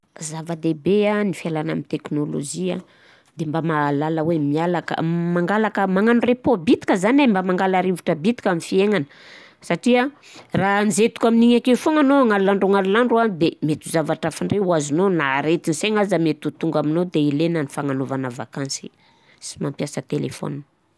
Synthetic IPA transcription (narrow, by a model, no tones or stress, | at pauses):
zavad̪ebeanifielana̰mint̪eknolo̰d͡ʒia | d̪̥embamalaləwemialakə̰maŋɡalakəmaŋanurepobit̪i̥kəzanembamaŋɡalaɾivuʈ͡ʂəbit̪i̥kamifieŋanə̥ | saʈ͡ʂia | ranizet̪u̥kaminiɲakefoŋanoaŋalulaɳɖ͡ʐoŋalulaɳɖ͡ʐuand̪emet̪uzavaʈ͡ʂafiɳɖ͡ʐreuazunonaɾet̪iniseŋazamet̪ut̪uŋɡaminod̪eilenənifaŋanovanəva̰kansi | si̥mampjasət̪elḛfo̰nn